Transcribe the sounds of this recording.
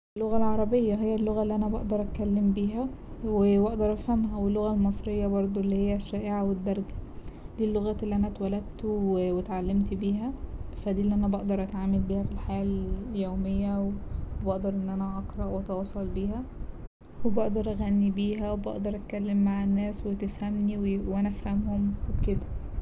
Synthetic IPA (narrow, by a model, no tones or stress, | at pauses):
lːoɣælʕɑɾˤɑbejːæɦejːælːoɣælːiːʔænæbɑ̰ʔd̪ɑɾˤʔækælːembiːɦæwebɑʔd̪ɑɾˤʔæfhæmɦæwelːoɣælmɑsˤɾejːɑbɑɾˤd̪ˤuʔlːihejːæʃːæːʔeʕawed̪ːɑɾˤɑɡæ̥d̪̥iːlːoɣæːt̪elːiʔænæt̪wælæd̪̚t̪wewet̪ʕalːemt̪biːɦæfæd̪iːlːiːʔænæbɑʔd̪ɑɾˤʔæt̪ʕaːmelbiːhæfilħajæːljoːmejːæwebɑʔd̪ɑɾˤʔenːʔænæʔɑqɾˤɑʔwʔɑt̪ɑwɑːsˤɑlbiːɦæ | webɑʔd̪ɑɾˤʔæɣænːibiːɦæwebɑ̰ʔd̪ɑɾˤʔæt̪̚kælːemːaʕenːæːswet̪efhæmniwewʔænæʔæfhæmhomweked̪æ̥